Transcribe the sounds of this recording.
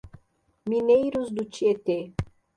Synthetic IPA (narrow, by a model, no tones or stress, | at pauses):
minejɾʊzd̪ʊt͡ʃiet̪e